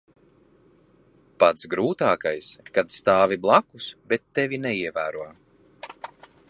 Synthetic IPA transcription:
pat̪sɡɾuːt̪aːkajskat̪st̪aːviblˠakusbɛt̪ːɛvʲinɛiɛvæːɾuɔ

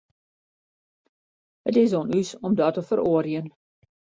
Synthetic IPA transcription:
hətɪs̬oːnysɔmdɔtəfəɾoərjən

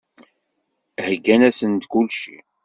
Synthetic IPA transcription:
hɡːænæsənt̪kulʃḭ

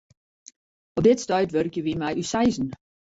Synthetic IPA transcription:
ɔp̚dɪtstœɥtʋørkjəʋimɛjysajzn̩

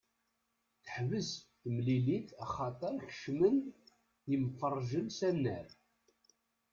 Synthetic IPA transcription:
θə̥ħvəz | mliliθɑχɑt̪ˤəɾˤçə̥ʃmən | imfərˤːʒənsænːəɾ

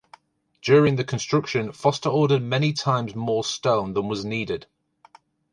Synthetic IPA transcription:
d̥jɔːɹɪ̃ŋðəkʰə̃nstɹ̥ʊkʃə̃nfɒstəɔːɾəd̚mɛnɪtʰãɪ̃mzmɔːstõʊ̃nðə̃nwɒzniːdɪd̥

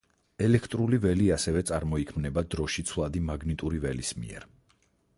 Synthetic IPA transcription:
ɛlɛkʰt̪ʼɾulivɛliasɛvɛt̪sʼaɾmɔikʰmnɛbad̪ɾɔʃit̪sʰvlˠad̪imaɡnit̪ʼuɾivɛlismḭɛ̰ɾ

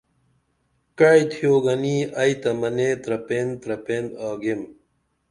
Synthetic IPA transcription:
kɐjt̪ʰijoːɡɐniːɐjt̪ɐmɐneːt̪ɾɐpeːnt̪ɾɐpeːnd̪aːɡem

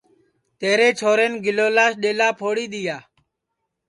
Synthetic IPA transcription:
t̪eːɾeːt͡ʃʰoːɾeːnɡɪloːlaːʃɗeːlaːpʰoːɽiːɗ̪ɪjaː

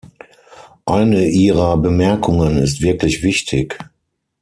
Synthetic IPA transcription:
ʔaɪnəʔiːʁɐbəmɛɐkʰʊŋənɪstv̥ɪɐklɪçv̥ɪçtʰɪk

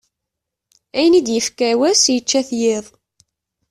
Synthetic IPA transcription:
æjənid̪jəfkæwæsjət͡ʃːæθjɪðˤ

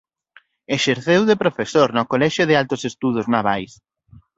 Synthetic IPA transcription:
eʃeɾθewðepɾofesoɾnɔkolɛʃʊðɪalt̪ʊsest̪uð̞ʊznaβajs

